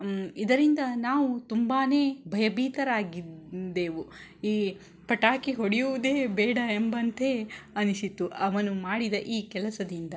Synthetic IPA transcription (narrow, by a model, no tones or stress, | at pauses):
id̪ɐɾind̪ɐnaːʋut̪umbaːne̞ːbʱɐjɐbʱiːt̪ɐɾaːɡid̪e̞ːʋuiː | pɐʈaːkiɦoɽijuʋud̪e̞ːbɛːɽɐembɐnt̪e̞ːɐniʃit̪ːuʔɐʋɐnumaːɽid̪ɐʔiːkɛlɐsɐd̪ind̪ɐ